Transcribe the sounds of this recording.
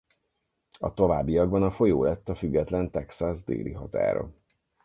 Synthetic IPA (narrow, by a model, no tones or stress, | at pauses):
ɒ̰t̪o̞vaːbːijɒɡbɒnɒfo̞joːlɛt̪ːɒfyɡːɛt̪lɛnt̪ɛksazd̪ḛːlḭɦɒt̪a̰ːɾo̰